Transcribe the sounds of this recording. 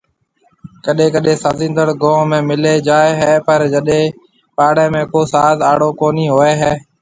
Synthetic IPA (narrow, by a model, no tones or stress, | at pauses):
kəɗẽːkəɗẽːsaːzɪ̃ːnd̪əɽɡõːmẽːmɪleːd͡ʒaːeɦɛːpəɾd͡ʒəɗẽː | paːɽẽːmẽːkoːsaːzaːɽoːkoːniːɦoːeːɦɛː